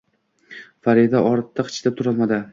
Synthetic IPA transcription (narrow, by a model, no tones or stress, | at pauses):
faɾid̪aʔɒɾt̪ʰːaqʰɨ̥t͡ʃʰlap̚t̪ʰʊɾɒlˠmad̪ɪ